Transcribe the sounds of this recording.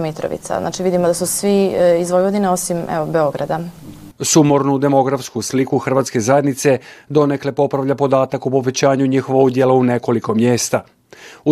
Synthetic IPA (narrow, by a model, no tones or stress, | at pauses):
mit̪ɾo̰ʋḭt̪sa̰za̰ːt͡ʃiʋid̪imod̪asusʋiizʋojʋod̪ineo̞simɛ̰ʋobeo̞ɡɾad̪asumoɾnud̪e̞mo̞ɡɾafskuslikuxr̩ʋaːt̪ske̞zaje̞d̪nit̪se̞d̪o̞nekle̞po̞pɾaʋʎapo̞d̪aːt̪akupo̞ʋe̞t͡ɕaːɲuɲixoʋoud̪jelaune̞ko̞liko̞mjeːst̪a | u